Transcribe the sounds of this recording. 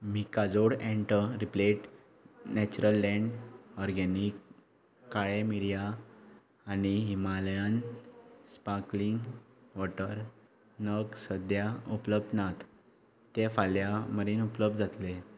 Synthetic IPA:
mikad͡zoɽɛ̃ɳʈəɾipleʈ | nɛt͡ɕuɾəlːɛ̃ɳɖɔɾɡɛnikː | aɭemiɾija | aniɦimaljan | spakliŋɡʋɔʈəɾ | nəɡsəd̪jaupləb̚d̪nat̪ | t̪efaljaməɾiːnupləb̚d̪d͡zat̪le

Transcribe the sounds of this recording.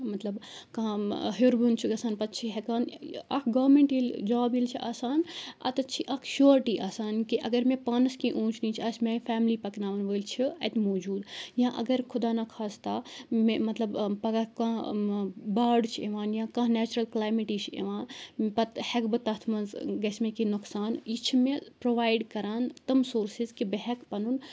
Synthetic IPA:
mɐt̪lɐbkɐ̃ɦuɾbunt͡ʃʰiɡɐsaːnpɐt̪̚t͡ʃʰiɦekaːnɐ̰kʰɡaːʋɾmẽɳʈild͡ʒaːbilt͡ʃʰiʔaːsaːnɐ̰t̪ɐt͡ʃʰiʔɐkʰʃoːɾʈiʔaːsaːnkiʔɐɡɐɾmẽpaːnɐskĩʔũːt͡ʃʰnit͡ʃʰiɐsmẽfʰɛːmlipɐknaːʋɐnʋəːlt͡ʃʰiɐt̪moːd͡ʒuːd̪jãʔɐ̰ɡɐɾkʰʊd̪aːnakʰaːst̪amemɐt̪lɐbpɐɡakã | baːɖt͡ʃʰieʋaːnjãkãɦnɛːt͡ʃɾɐlklaːjmiʈit͡ʃʰḛʋãːnpɐt̪hɛkbɨt̪ɐt̪ʰmɐnzɡɐsmẽkinʊksaːnit͡ʃʰimẽpɾoːʋaːjɖkɐɾaːnt̪ɐmsoːɾsizkibeɦɛkpɐnun

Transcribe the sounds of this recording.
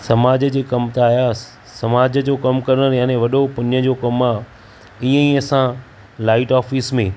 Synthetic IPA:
sɐmaːd͡ʑəd͡ʑeːkɐmt̪aaːjasɪ̥ | sɐmaːd͡ʑəd͡ʑoːkɐmkɐɾənəɾjãːnẽʋɐɗopɐ̃ɲəd͡ʑokɐmaː | ĩːə̃iːɐsã | laːɪʈaːfismẽː

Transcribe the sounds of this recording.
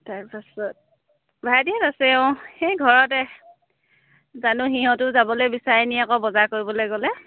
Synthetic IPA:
takpasɔt̚ | bʱadiatasɛɛʊ̃xejɡʱɔɹɔtɛ | zanʊxiɦɔ̃tʊzabɔlojbisaɹeniakɔbɔzakoɹibɔlojɡɔlɛ

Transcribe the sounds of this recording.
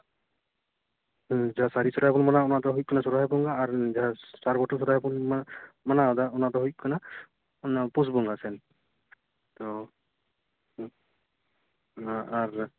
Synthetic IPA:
d͡ʒaɦasaɾisɔɾaɦɛpɔnmanaɔnad̪ɔɦuit̚kʰanasɔɾaɦɛbɔŋɡaːɾzaɦasaɾbɔʈʰɔsɔɾaɦɛbɔnmmanaɔd̪aunad̪ɔɦujt̚kʰana | pus̬bɔŋɡasɛn | t̪ɔ | ɦãaɾ

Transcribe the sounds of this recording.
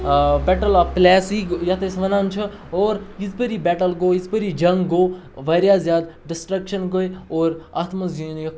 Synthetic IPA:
bɛʈəlaplɛːsikjɐt̪ʰesʋɐnant͡ʃʰɐ | oːɾjizpəɾiːbɛːʈəlɡoːjizpəɾid͡ʒɐŋɡɡoː | ʋɐɾjaːzjaːd̪ɖisʈɾɐkʃɐnɡojoːɾat̪ʰmɐzunjɐ

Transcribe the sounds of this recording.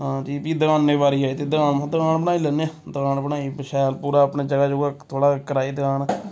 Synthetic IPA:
ɦãːd͡ʒiːbiːd̪əkaːnːẽːbaːɾiːaːit̪eːd̪əkãːnmãd̪əkaːnbəɽaːiːlɛneãd̪əkãːnbənaːiːbəʃɛːlpuːɾaːəpɳeːd͡ʒəɡaːd͡ʒoːɡaːt̪ʰoːɽaːkəɾaːiːd̪əkaːn

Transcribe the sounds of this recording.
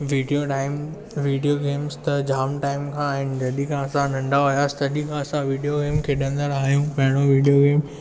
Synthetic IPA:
ʋiːɖijoʈaːɪm | ʋiːɖijoɡeːmst̪ɐd͡ʑaːmʈaːɪmkʰãːɦɪnɪ̆d͡ʑɐɗĩkʰãɐsãnɐ̃ɳɖaɦʊjaːst̪ɐɗĩkʰãːɐsãʋiːɖijoɡeːmkʰeːɗɐ̃nd̪əɾaːɦjũpɐɦɪɽ̃oʋiːɖijoɡeːm

